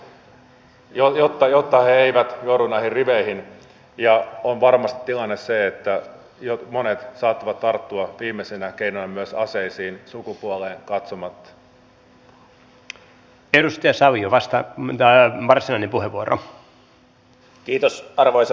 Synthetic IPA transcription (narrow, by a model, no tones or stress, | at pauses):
jojot̪ːɑjot̪ːɑheeiʋæt̪jouɾunɑihirriʋeihin | jɑonʋɑrmɑst̪it̪ilɑnːesseet̪ːæ | jomonet̪sɑːt̪ːɑʋɑt̪t̪ɑrt̪ːuɑʋiːmːesenækeinonɑmyøsɑseisiːnsukupuoleːŋkɑt̪somɑt̪ːɑ̥ | edust̪iɑsɑʋijoʋɑst̪ɑt̪ɑʋɑrsinɑjnempuɦeʋuoɾʔo̰ | kiːt̪osɑrʋojsɑ